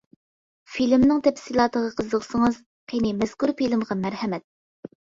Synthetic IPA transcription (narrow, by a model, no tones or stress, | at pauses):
filmnɨŋt̪ʰɛfsilˠɑːt̪əʁəqʰəzəqsəŋɨz | qʰenɪmɛz̥kuɾfilɪmʁɑmæɾhɛmɛt̪̚